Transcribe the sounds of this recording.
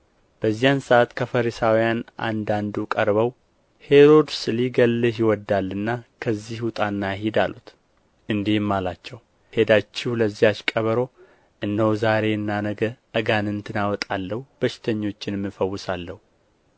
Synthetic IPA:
b̥əzːijansəʔat̪kʰəfəɾisawijanʔa̰nd̪and̪ukʼəɾβəw | he̞ɾo̞d̪sɨliɡəlːɨɦiwɔd̪ːalːɨnːakʰəzːihʊt̪ʼanːaɦid̪alut̪ | ʔɨnd̪ihmːalat͡ʃːɛw | he̞d̪at͡ʃːɪhuləzːijat͡ʃkʼəβəɾo̞ | ʔɨnːəwzaɾe̞ɨnːanəɡəʔəɡanɨnt̪ʰɨnawɔt̪ʼalːəhub̥əʃɪ̥t̪ʰəɲːo̞t͡ʃːɪnmːɨfəwːʊsalːəhu

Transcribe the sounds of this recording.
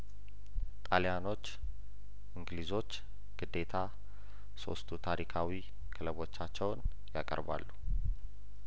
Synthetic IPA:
t̪ʼaljano̞t͡ʃː | ʔɨŋɡɨlizo̞t͡ʃː | ɡ̥ɨd̪ːe̞t̪ʰa | so̞̰st̪ʰut̪ʰaɾikʰawi | kʰɨləβo̞t͡ʃːat͡ʃːɛwn | jakʼə̰ɾba̰lːu

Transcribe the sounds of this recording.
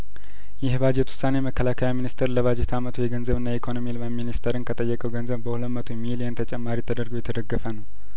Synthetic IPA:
jɪhbad͡ʒɛt̪wʊ̥sanejməkːəlakʰəjaminist̪ʰəɾləβad͡ʒɛt̪ʰamət̪ʰujɛɡənzəβɨnːaikʰonomilməminist̪ʰəɾɨnkʰət̪ʼəjːɛkʼəwɡənzəβbəhuləmət̪ʰumilijənt̪ʰət͡ʃʼɛmːaɾit̪ʰəd̪əɾɡojɛt̪ʰəd̪əɡːəfənəw

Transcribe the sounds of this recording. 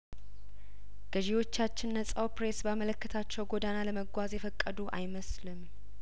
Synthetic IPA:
ɡ̥əʒiho̞t͡ʃːat͡ʃːɪnːəsʼawpɾe̞sbamələkːət̪ʰat͡ʃːɛwɡo̞d̪analəməɡʷazjɛfəkʼːəd̪uʔa̰jməslɨm

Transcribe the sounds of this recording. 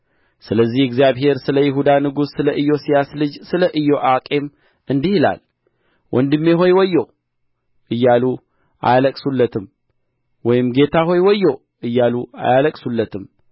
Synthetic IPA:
sɨləzːihɛɡzijaβhe̞ɾsɨləjɪɦud̪anɨɡusːɨləʔɨjːo̞sijaslɨd͡ʒsɨləʔɨjːo̞ʔakʼe̞m | ɨnd̪ihɨla̰l | wʔɔnd̪ɨmːe̞ɦo̞jwɔjːo | ʔɨjːalu | ʔa̰jaləkʼsulːət̪ʰɨm | wɔjɪmɡe̞t̪ʰaɦo̞jwɔjːo | ɨjːalua̰jaləkʼsulːət̪ʰɨm

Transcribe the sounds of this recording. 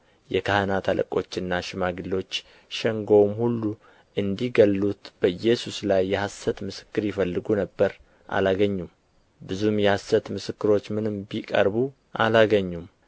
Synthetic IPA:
jɛkʰahənat̪ʰalʔə̰kʼo̞t͡ʃːɨnːaʃɪmaɡɨlːo̞t͡ʃː | ʃɛŋɡomhulːu | ʔɨnd̪iɡəlːut̪b̥əɨjːɛsuslajːɛhasət̪mɨsɨ̥kːɨɾjɪfəlːɨɡunəbːəɾ | ʔa̰laɡəɲːum | bɨzumjɛhasət̪mɨsɨkːɨɾo̞t͡ʃːmɨnɨmbikʼə̰ɾbu | ʔa̰laɡəɲːum

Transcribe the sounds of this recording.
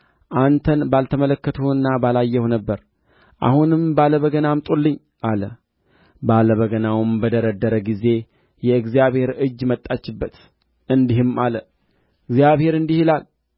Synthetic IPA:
ʔant̪ʰənbalt̪ʰəmələkːət̪ʰuɨnːabalajːɛhunəbːəɾ | ʔa̰hunɨmbaləβəɡənamt̪ʼulːɨɲː | ʔalə | baləβəɡənawɨmbəd̪əɾəd̪ːəɾəɡize̞ | jɛɨɡzijaβhe̞ɾɨd͡ʒːmət̪ʼːat͡ʃːɪbːət̪ | ɨnd̪ihɨmalə | ɨɡzijaβhe̞ɾɨnd̪ihilal

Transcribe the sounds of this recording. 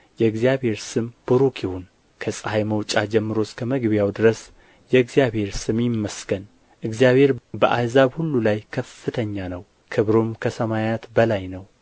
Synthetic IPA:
jɛɨɡzijaβhe̞ɾsɨmb̥uɾokʰihun | kʰəsʼɨhajməwt͡ʃʼad͡ʒɛmːɨɾo̞skʰəməɡbijawd̪ɨɾəs | jɛɨɡzjaβhe̞ɾsɨmjɪmːəsɡ̥ən | ʔɨɡzijaβhe̞ɾbəʔazaβhulːulajkʰəfːɨt̪ʰəɲːanəw | kʰɨβɾomkʰəsəmajat̪bəlajnəw

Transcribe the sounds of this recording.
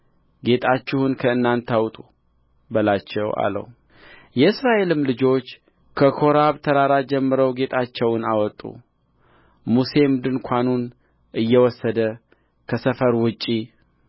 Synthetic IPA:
ɡe̞t̪ʼʰat͡ʃːɪhunkʰəɨnːant̪ʰawt̪ʼu | bəlat͡ʃːɛwa̰lə̰w | jɛɨsɾaʔe̞lɨmlɨd͡ʒo̞t͡ʃː | kʰəkʰo̞ɾaβt̪ʰəɾaɾad͡ʒɛmːɨɾəwɡe̞t̪ʰʼat͡ʃːɛwnawɔt̪ʼːṵ | muse̞md̪ɨnkʷʰanun | ʔɨjːɛwɔsːəd̪ə | kʰəsəfəɾwʊt͡ʃʼːi

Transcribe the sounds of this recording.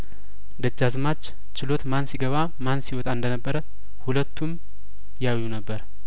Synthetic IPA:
d̪əd͡ʒːazmat͡ʃː | t͡ʃːɪlo̞t̪mansiɡəβa | mansiwɔt̪ʼaɨnd̪ənəbːəɾə | hulət̪ʰːum | jawjːunəbːəɾ

